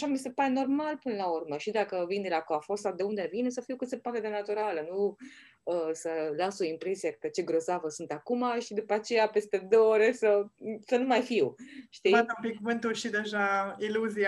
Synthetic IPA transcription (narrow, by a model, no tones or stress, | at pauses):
aʃamise̞paɾe̞no̞rmalpɨnəlaurməʃid̪akəvind̪elakoafost̪ad̪eund̪evinesəfiwkɨt̪se̞poat̪e̞d̪e̞nat̪uɾalənu | əsəlasoimpɾe̞sijekt̪et͡ʃe̞ɡɾo̞zavəsunt̪akumaʃid̪upat͡ʃe̞jape̞st̪e̞d̪oooɾe̞səsənumajfiwʃt̪iat̪əmpikuvɨnt̪ulʃid̪e̞ʒailuzi